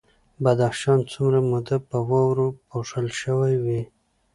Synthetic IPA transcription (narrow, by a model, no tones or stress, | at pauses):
bad̪axʃɑnt͡sumɾamʊd̪apəwɑwɾopoʂəlʃəwajwi